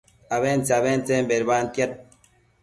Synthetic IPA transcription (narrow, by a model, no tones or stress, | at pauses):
aβɛnt͡saβɛnt͡sɛmbɛɾban̩tjɛt̚